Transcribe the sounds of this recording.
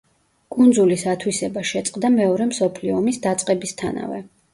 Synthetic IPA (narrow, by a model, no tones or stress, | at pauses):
kʼund̪zulisat̪ʰwisɛbaʃɛt̪sʼqʼd̪amɛɔɾɛmsɔpʰliɔːmisd̪at̪sʼqʼɛbist̪ʰana̰vɛ